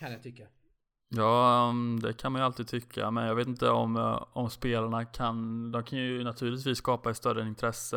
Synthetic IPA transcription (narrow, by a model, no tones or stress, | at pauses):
ajat̪ʰʏkːa | jɑːd̪ɛkʰanmanjʏalt̪iːd̪̚t̪ʰʏkʰːa̰mɛnjɑɡveːt̪ɪnt̪əɔ̰mɔmspeːlaɳakʰand̪ɔmkʰanjɵnat̪ʰʉ̟ːɭɪt̪viːsːkɑːpaɛt̪st̪œɾːəɪnt̪ʰɾɛsːə